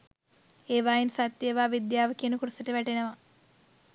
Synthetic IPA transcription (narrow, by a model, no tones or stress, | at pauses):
eːʋaːinsat̪ːjeʋaːʋid̪jaːʋəkijənukuɾusəʈəʋæʈenəʋa